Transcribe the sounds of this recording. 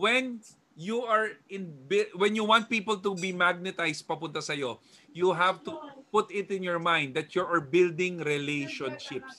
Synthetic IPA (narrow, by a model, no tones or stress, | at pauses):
wɛn | juaɹɪ̃nbɪwɛ̃njuwãnt̪̚piːpɐlt̪ubimaɡ̚nɛt̪ajst̪̚pɐpʊnt̪ɐsɐjo | juɦavt̪upʊt̪ɪt̪ɪ̃njɔɹmãj̃nd̪ːɐt̪juʔaɹbɪld̪ɪ̃ŋɾɛlejʃɔ̃nʃɪps